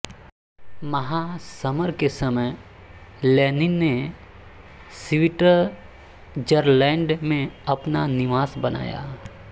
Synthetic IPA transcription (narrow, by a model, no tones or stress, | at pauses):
mɐɦasɐməɾkesɐməj | lɛːnɪnːe | sɪʋɪʈəɾ | d͡ʒəɾlɛ̃ːɳɖmẽɐpnanɪʋaːsbɐna̰ːja̰ː